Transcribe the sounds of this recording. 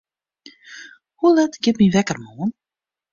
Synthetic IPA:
hulɛtɡ̥ɪtmiʋɛkərmoːən

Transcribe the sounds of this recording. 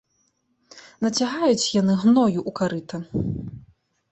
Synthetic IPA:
nɐt͡sʲaɣajut͡sʲjanɨɣnɔjuʔukaɾɨt̪ɐ

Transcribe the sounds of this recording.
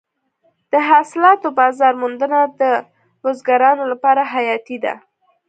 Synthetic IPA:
d̪̥əɦɑsɪlɑt̪obɑzɑɾmʊnd̪ənad̪ə | ɾozɡaɾɑnolapɑɾaɦajɑt̪id̪a̰

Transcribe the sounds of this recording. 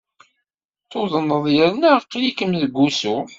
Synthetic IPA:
θoðˤənəðˤjəɾnæqːlikəmðəɡʷːusu

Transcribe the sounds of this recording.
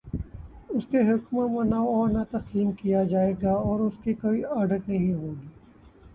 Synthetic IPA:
ʊskeɦʊkmamɐ̃naɔːɾnɐt̪ɐsliːmkijad͡ʒaːeːɡaɔːɾʊskikoːiaːɖəʈnɐɦĩɦoːɡiː

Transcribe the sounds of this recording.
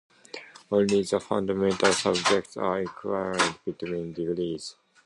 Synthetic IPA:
õnliðəfʌ̰̃ndamɛ̃ntalsʌb̚d͡ʒɛk̚tsa̰ikʰwajɹĩd̚b̥itwĩːnd̪ivilis

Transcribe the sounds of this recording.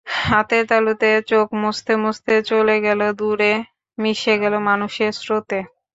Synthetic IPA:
hat̪et̪alut̪et͡ɕokmost̪emost̪et͡ɕoleɡɛlod̪uɾe | miʃeɡɛlomanuʃesɾot̪e

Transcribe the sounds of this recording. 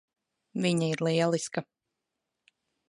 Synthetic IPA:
viɲaiɾlˠiɛlˠiskɐ

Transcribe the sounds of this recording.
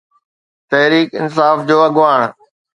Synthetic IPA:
t̪ɐɦɾiːkɪ̰nsaːfd͡ʑoːɐɡʋaːɳ̃

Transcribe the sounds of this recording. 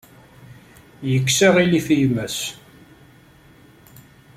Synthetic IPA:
jəkːsaʁilifijmæs

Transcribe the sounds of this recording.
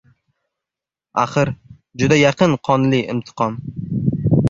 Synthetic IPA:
a̰χɨɾ | d͡ʒʊd̪ajɑqʰɨnqʰɒnlɪɪ̰mt̪ʰɨ̥qʰɒm

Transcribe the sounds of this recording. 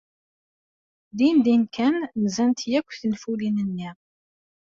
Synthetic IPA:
d̪ind̪inkʰænnzænt̪jækʷːθənfulinənːi

